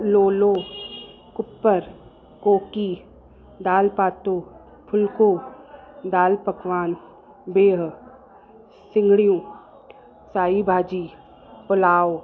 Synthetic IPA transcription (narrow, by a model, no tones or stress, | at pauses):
loːloː | kʊpːəɾ | koːki | d̪aːlpaːt̪oː | pʰʊlko | d̪aːlpəkʋaːn | beːɦ | sɪ̃ŋɡɽijõː | saːibʱaːd͡ʒiː | pʊlaːo